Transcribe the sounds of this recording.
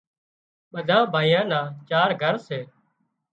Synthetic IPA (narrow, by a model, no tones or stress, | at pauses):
ɓəd̪ʱãːbʱaːijãːnãːt͡ʃaːɾɡʱəɾseː